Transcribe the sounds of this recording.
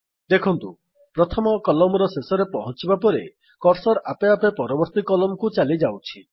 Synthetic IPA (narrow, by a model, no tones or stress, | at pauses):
d̪ekʰɔnt̪u | pɾɔt̪ʰɔmɔkɔlɔmɔɾɔsesɔɾepɔɦɔnt͡ʃibapɔɾe | kɔɾsɔɾʔapeapepɔɾɔbɔɾt̪ikɔlɔmkut͡ʃalid͡ʒawt͡ʃʰi